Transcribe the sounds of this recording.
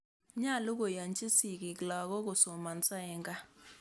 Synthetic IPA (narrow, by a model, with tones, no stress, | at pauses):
ɲa˦˨lu˦k̬o˨ja˨nt͡ʃʼi˦si˨ki˨kla˨k̬ɔ˦k̬o˨sɔ˨ma˨nt͡sʼɛː˦ŋɡa˦